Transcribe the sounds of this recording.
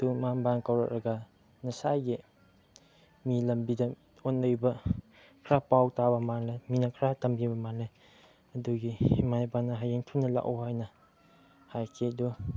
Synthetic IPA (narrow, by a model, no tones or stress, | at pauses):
dumanbaŋkawɾa̰k̚ɾʔɐɡa | nɐsajɡi | milɐmbidɐ | onːɯjbɐ | kʰɾapawtabɐmanlaminɐkʰɾatɐmbibɐmanlaj | ɐduɡihimajbanɐɦajeŋtʰunːɐla̰ʔɔ̰ɦajnɐ | hajkʰedu